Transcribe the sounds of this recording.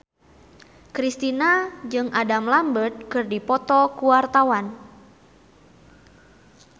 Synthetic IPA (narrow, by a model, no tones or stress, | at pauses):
kɾist̪inad͡ʒɨŋʔadamlambət̪̚kɨrdipɔt̪ɔkuwart̪awan